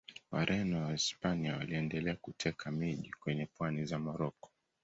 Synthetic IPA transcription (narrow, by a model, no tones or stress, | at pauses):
wa̰ɾʔɛnɔwaispaniawaliɛndɛlɛakutʰɛkʰamiʄikwɛɲɛpwanizamɔɾɔkɔ̥